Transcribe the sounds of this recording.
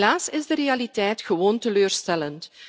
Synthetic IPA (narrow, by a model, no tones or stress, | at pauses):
laːsɪzdəɾealitɛjtxəʋoːntəløːrstɛlənt